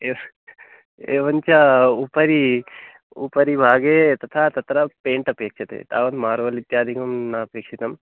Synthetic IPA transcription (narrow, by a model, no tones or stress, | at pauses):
e | eːʋɐɲt͡ʃɐupɐɾi | ṵpɐɾibʱaːɡet̪ɐt̪ʰat̪ɐt̪ɾɐpeːɳʈɐpeːkʂɐt̪ḛt̪aːʋɐnd̪maːɾuʋɐlit̪jaːd̪ʱikɐmnaɐpeːkʂit̪ɐm